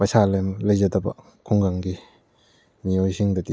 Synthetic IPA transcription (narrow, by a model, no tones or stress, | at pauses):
pɐsalemlɐjzɐdɐbɐ̰ | kʰuŋɡaŋɡi | miojsiŋdɐdi